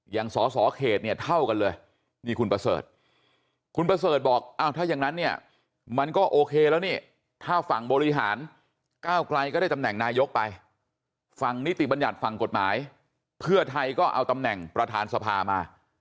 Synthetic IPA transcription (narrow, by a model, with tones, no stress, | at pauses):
ja˨˩ŋsɔː˨˩˦sɔː˩˦kʰeː˨˩t̪̚ni˥˩ɐt̪ʰa˥˩wka˧nlɤː˧j | miː˧kʰu˧npɾa˧sɤ̰ː˨˩t̪̚ | kʰu˧npɾa˧sɤː˨˩t̪̚bɔː˨˩k̚ʔaː˧˩wt̪ʰaː˥˩ja˨˩ŋna˦˥nːi˥˩ɐ | ma˧nkɔː˥˩ʔoː˧kʰeː˧lɛː˦˥wniː˥˩ | t̪ʰaː˥˩fa˨˩ŋbɔː˧ɾi˦˧˥ɦa̰ː˩˦n | kaː˥˩wkla˧jkɔː˥˩a˥˩t̪a˧mnɛ˨˩ŋnaː˧jo˦˥k̚pa˧j | fa˧˩ŋni˦˥t̪i˨˩ba˧nja˨˩t̪̚fa˨˩ŋko˨˩t̪̚ma̰ː˩˦j | pʰɯ˥˩ɐt̪ʰa˧jkɔː˥˩ʔa̰˧wt̪a˧mnɛ˨˩ŋpɾa˧t̪ʰaː˨˧˥nsa˧pʰaː˧maː˧